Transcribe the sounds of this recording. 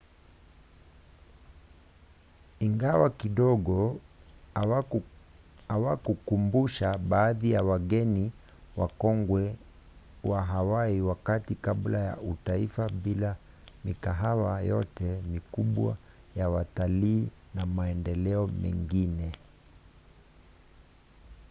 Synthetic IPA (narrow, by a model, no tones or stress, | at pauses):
iŋɡawakiɗɔɡɔ | awakukumbuʃaɓaːðijawaɡɛni | wa̰kɔŋɡwɛ | waɦawaiwakatikaɓlaja̰utaifaɓila | mikaɦawajɔ̰tɛmikuɓwa̰ | jawataliːnamaɛndɛlɛɔmɛ̰ŋɡinɛ